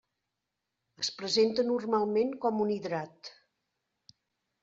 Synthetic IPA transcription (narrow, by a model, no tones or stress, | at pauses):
əspɾəzent̪ənurmalˠmeŋkɔmuniðɾat̪